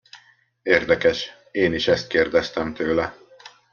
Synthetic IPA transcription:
eːrd̪ɛkɛʃ | eːniʃɛst̪̚keːrd̪ɛst̪ɛmt̪øːlɛ

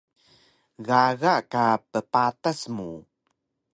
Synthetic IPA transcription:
ɣaɣaʔkapəpatasmṵ

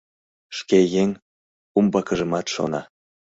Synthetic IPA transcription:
ʃkejeŋʲ | umbɑkə̆ʒə̆mɑt̪ʃo̰nɑ̰

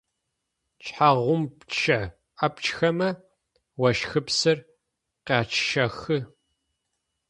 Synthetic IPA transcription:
t͡ʃʼħaʁʷʊmpt͡ʃʰɐ | ɐpt͡ʃxɐmɐ | wɐʃxɨpsɨr | qaːt͡ʃʰʃɐxɨ

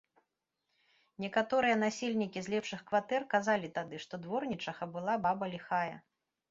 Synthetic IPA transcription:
nʲɛkat̪ɔɾɨjɐn̪asʲelʲnʲikʲizʲlʲɛpʂɨxkvat̪ɛrkazalʲit̪ad̪ɨʂt̪ɔd̪vɔrnʲit͡ʂɐɣɐbɨlˠababɐlʲixajɐ̰

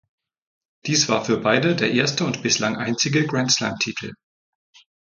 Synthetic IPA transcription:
d̥iːsv̥aːɐfyːɐbaɪdədeːɐʔeːɐstəʊntb̥ɪslaŋʔaɪnt͡sɪɡəɡʁantsla̰mtʰiːtʰl̩

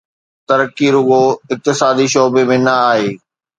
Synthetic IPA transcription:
t̪ɐɾəkːiɾʊɠoɪk̚t̪ɪsaːd̪iʃɔːbemẽnɐaːɦeː

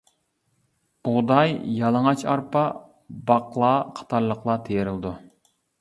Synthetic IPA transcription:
uʁd̪ɑjjɑlˠəŋɑt͡ʃʰɑɾpɑ | bɑqlˠɑːqʰɑ̥t̪ʰɑɾlˠəqlˠɑt̪ʰejeɾɪlˠd̪u

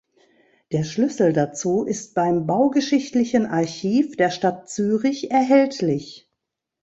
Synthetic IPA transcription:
d̥eːɐʃlʏsl̩dat͡suːʔɪst̚b̥aɪmbaʊɡəʃɪçtlɪçənʔaɐçiːfd̥eːɐʃtat̚t͡syːʁɪçɛɐɦɛltlɪç

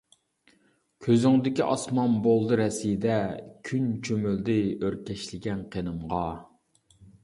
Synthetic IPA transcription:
kʲʰøzyŋd̪ɪkʲiʔɑsmɑnbolˠd̪ɨɾɛsid̪ɛkʲʰynt͡ʃʰømyld̪ɪøɾkʲʰɛʃlɪɡʲɛnqʰenɨmʁɑ

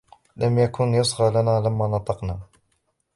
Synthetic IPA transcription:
ləmjækʊnjəsˤɣɑlænælæmːanɑt̪ˤɑqna

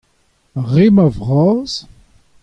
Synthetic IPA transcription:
ʁemavʁɑːz̥

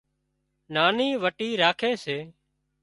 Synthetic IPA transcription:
naːniːʋəʈiːɾaːkʰeːseː

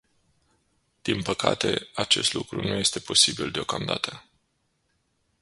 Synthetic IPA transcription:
d̪̥inpəkʰat̪e̞at͡ʃe̞st̪lukɾunuje̞st̪e̞pʰo̞sibild̪eokamd̪a̰t̪ə

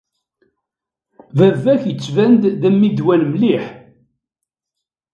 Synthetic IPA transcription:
vævːæçjət͡sːvænd̪ðæmːid̪wænmliħ

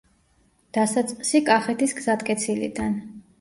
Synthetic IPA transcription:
d̪̥asat̪sʼsikʼaχɛt̪ʰisɡzat̪kʼɛt̪sʰilḭd̪an

